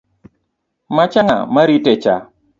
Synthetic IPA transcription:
mat͡ʃaŋa̰maɾitet͡ʃa

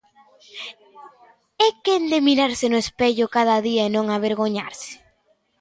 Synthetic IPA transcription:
ekend̪emiɾaɾsɪnʊespeʎʊkaðaðiaenõŋaβeɾɣoɲaɾsɪ̥

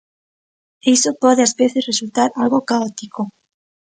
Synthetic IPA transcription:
ejsopɔðeazβeθesresult̪aɾalɣokaot̪iko

